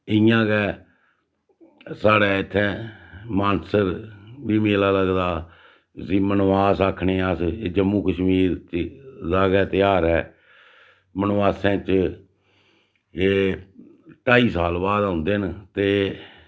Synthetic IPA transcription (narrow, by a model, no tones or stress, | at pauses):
ɪjãːkɛː | saːɽɛːɪt̪ʰːɛ̃ːmaːnsəɾbiːmeːlaːləɡd̪aː | siːmənʋaːsaːkʰɳeːaseːd͡ʒəmːũːkəʃmiːɾt͡ʃd̪aːɡɛːt̪ɪjaːɾɛː | mənʋaːsãːt͡ʃ | eː | ʈaːiːsaːlbaːd̪aːʊnd̪eːnt̪eː